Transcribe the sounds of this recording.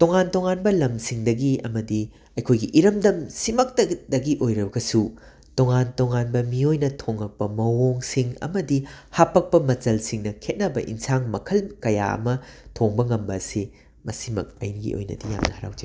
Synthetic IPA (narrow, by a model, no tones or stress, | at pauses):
toŋantoŋanbɐlɐmsiŋdɐɡiɐ̰mɐdi | ɐjkʰojɡiʔiɾɐmdɐmsimɐk̚tɐdɐɡiʔojɾɐbɐɡɐsu | toŋantoŋanbɐmiojnɐtʰoŋːɐk̚pɐmɐwoŋsiŋɐ̰mɐdihapːɐk̚pɐmɐt͡ʃɐlsiŋnɐkʰet̚nɐbɐ̰ʔḭnsaŋmɐkʰɐlkɐja̰ɐ̰mɐtʰoŋbɐŋɐmbɐːsi | mɐsimɐ̰k̚ɐ̰jniɡḭʔo̰jnɐ̰dija̰mnɐhɐɾa̰wd͡ʒi